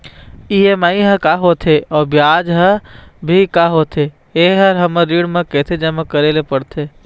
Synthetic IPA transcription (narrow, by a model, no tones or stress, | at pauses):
iemaːĩɦəkaɦoːt̪ʰeɔːbjaːd͡ʒɦəbʱikaɦoːt̪ʰe | eɦɐɾɦɐməɾiːɽmãkeːt̪ʰed͡ʒɐməkəɾeːlepəɽt̪ʰeː